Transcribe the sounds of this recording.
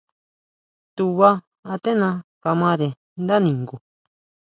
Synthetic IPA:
t̪u˧βa˦ | a˧t̪e˦nã˧ka˧mã˧ɾe˨ | nd̪a˦nĩ˨ŋɡu˨

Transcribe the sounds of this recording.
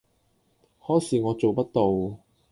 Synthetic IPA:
hɔː˥jsiː˨˧ŋɔː˨˧t͡so˨wpɐ˥t̚t̪o˨w

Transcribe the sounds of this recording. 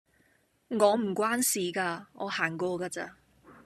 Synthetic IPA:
ŋɔː˨˧m̩˨˩kʷwaː˥nsiː˨kaː˧ŋɔː˨˧haː˨˩ŋkɔː˧kaː˧t͡sa̰ː˧

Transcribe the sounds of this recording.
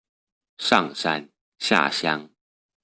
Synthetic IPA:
ʂɑ̰˥˨ŋʂa̰˥˧˩n | ɕja̰˥˨ɕjɑ˦ŋ

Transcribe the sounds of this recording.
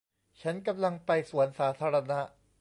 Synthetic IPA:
t͡ɕʰa˦˥nka˧mla˧ŋpa˧jsu˨˩˦ə˦nsaː˩˦t̪ʰaː˧ɾa˧na˦˥ʔ

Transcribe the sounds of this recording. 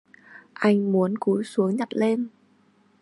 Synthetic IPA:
ʔa˧jŋ̟mu˨˦ənku˨˦jsu˨˦əɲa˨˩t̚le˧m

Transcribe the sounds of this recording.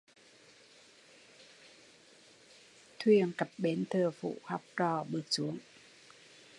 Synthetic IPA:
t̪ʰwi˧˩əŋka˨˩p̚ɓeː˨˦nt̪ʰɤː˧˩fṵː˧˨ha˨˥p̚ɾɔː˧˩ɓɨː˨˩ək̚su˨˦əŋ

